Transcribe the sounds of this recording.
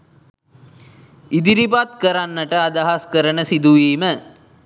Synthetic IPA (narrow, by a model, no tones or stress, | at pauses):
id̪iɾipat̪̚kəɾanːəʈəɐd̪ɐɦɐskəɾənəsid̪uʋiːmə